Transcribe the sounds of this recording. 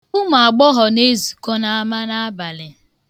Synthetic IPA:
u˦m˨a˨ɡ͡bɔ˦ɦɔ˨ne˦zu̥˨kɔ˦na˦a˦ma˦na˦a˦ba˨lɪ˨

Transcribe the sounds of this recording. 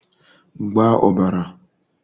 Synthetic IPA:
ɡ͡ba˦ʔɔ˨ba˨ɾa˨

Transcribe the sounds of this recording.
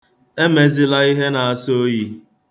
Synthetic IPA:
e˦me˨zi˦la˦i˦ɦe˦na˨a˨so˦ji˦

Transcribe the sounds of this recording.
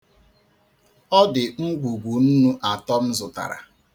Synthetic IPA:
ɔ˦dɪ˨ŋ̩˦ɡʷu˨ɡʷu˨n̩˦nu˦ʔa˨tɔ˦m̩˦zʊ˨ta̰˨ɾa̰˨

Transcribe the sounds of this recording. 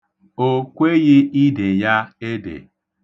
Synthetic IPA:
o˦kʷe˦ɣɪ˦i˦de˨ja˦e˦dḛ˨

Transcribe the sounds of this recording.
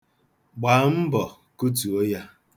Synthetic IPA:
ɡ͡ba˨˦m̩˦bɔ˨ | ku˦t̬u˨o˦ja˦

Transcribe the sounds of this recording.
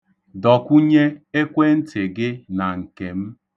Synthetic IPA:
dɔ˨kʷu˦ɲe˦e˦kʷe˦n̩˦tɪ˨ɡɪ˦na˨ŋ̩˨ke˨m̩˦

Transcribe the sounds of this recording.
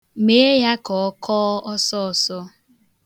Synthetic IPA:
me˨˦e˦ja˦kɔ˨ɔ˦kʰɔː˦ɔ˦sɔ˦ɔ˨sɔ˦

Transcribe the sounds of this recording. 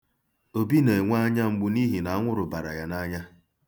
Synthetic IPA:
o˦bi˦ne˨ŋʷa˦ɲa˦ŋ͡m̩˨ɡ͡bʊ˦ni˦ɦi˨na˨a˦ŋʷʊ˦ɾʊ˨ba˨ɾa̰˨ja˨na˦ɲa˦

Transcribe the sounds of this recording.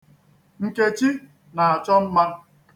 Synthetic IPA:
ŋ̩˦ke˦t͡ʃi˦ | na˨a˨t͡ʃɔ˦m̩˦ma˦n˦

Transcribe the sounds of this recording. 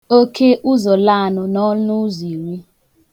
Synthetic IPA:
o˦kʰe˦ʔʊ˦zo˨la˦a˨nʊ˨nɔ˦lʊ˦zi˨wi˦

